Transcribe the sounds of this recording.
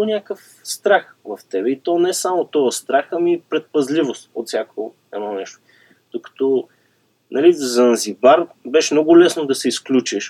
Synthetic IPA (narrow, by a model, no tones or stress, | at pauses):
onʲakəf | st̪ɾaxvɐft̪ɛbɛit̪ɔnɛɛsamot̪ɔɐst̪ɾaxɐmipɾɛt̪̚pɐzlivost̪ot̪sʲjako | ɛnɔnɛʃt̪o̥ | d̪̥okɐ̥t̪ɔ | nɐlizɐnzibaɾbɛʃɛmnɔɡʊlɛsnod̪ɐsɛisklʲut͡ʃiʃ